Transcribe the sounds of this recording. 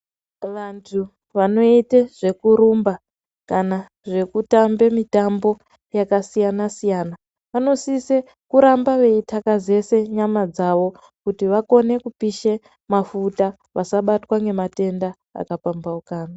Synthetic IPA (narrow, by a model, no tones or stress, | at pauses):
ʋantʰu | ʋano̞iteʐ̥e̞kuɾumba | kana | ʐe̞kutambe̞mitambo̞ | jakasijanasijana | ʋano̞sise | kuɾambaʋe̞itakaze̞se̞ɲamad͡zaʋo̞ | kutiʋako̞ne̞kupiʃe | mafuta | ʋasaɓatwaŋɡemate̞nda | a̰kapambaukaːna